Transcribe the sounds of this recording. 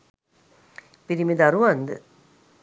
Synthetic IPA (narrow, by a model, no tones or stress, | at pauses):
piɾimid̪aɾuʋand̪ɨ̰